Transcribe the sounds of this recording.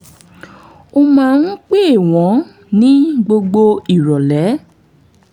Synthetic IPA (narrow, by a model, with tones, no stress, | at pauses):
o˧mãː˦˧n̩˦k͡pe˦e˦˨w̃ɔ̃˨˦ | nĩ˦ɡ͡bo˧ɡ͡bo˧i˨ɾɔ˨lɛ˨˦